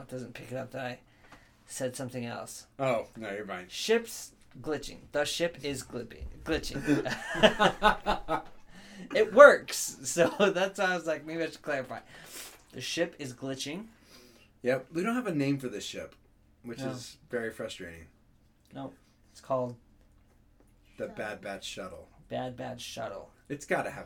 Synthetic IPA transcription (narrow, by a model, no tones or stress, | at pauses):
t̚d̥ʌz̃n̩pʰɪkɨɾʌp̚ðɨɾaɪ | sɛd̥sʌ̃mθɪ̃ŋɛ̰lˠsoʊnoʊjə˞mãɪ̃nʃɪps | ɡlɪt͡ʃɪ̰̃ŋðəʃɪpɪzɡlɪpɪ̰̃ŋɡ̥lɪt͡ʃɪ̰̃ | ɪt̚wɜ˞ksːoʊðætsaɪwʌzlaɪk̚meɪbiɨʃə̥kʰl̥ɛɹɨfaɪd̚ðɨʃɪpɨzɡlɪt͡ʃɪ̃ŋ | jæwidõʊ̃nthəvɨnẽɪ̃ɱfə˞ðɨʃɪ̰p | wɨt͡ʃɪzvɛɹifɹʌstɹ̥eɪɾɪ̰̃ŋ | noʊ | ɨtskʰɔlˠd̪̚ | ðɨbæd̚bæd̥ʃʌ̰ɾl̩ˠb̥æd̚bæd̥ʃʌ̰ɾl̩ˠ | ɨtsɡ̥ɑɾɨɨ